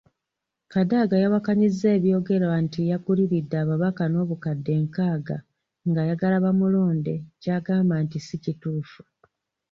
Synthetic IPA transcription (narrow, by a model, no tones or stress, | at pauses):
kadaɡajaβakaɲizːe̞ːβjo̞ːɡe̞ɾantijakuliβidːaːβaβakano̞ːβukadːe̞ːŋkaːɡa | ŋɡajaɡalaβamulo̞ːnde̞caɡaːmbantisicituːfu̥